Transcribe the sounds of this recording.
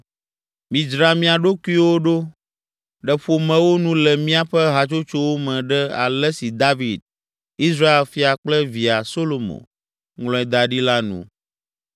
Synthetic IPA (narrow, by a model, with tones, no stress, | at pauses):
mĩ˨d͡ʒɾa˨mĩ˦a˨ɖo˦ku˦i˦wo˦ɖo˦ | ɖɛ˨ɸo˨mɛ̃˨wo˦nũ˦lɛ˨mĩ˦a˨ɸɛ˦ɦa˨t͡ʃo˦t͡ʃo˦wo˦mɛ̃˨ɖɛ˦a̰˨lɛ˦si˨d̪a˦vi˨d̪̚ | i˦sɾa˦e˨lfi˦a˨k͡plɛ˦vi˨a˨so˦lo˨mõ̰˨ | ŋlɔ̃˦ɛ˨d̪a˨ɖi˦la˦nṵ̃˨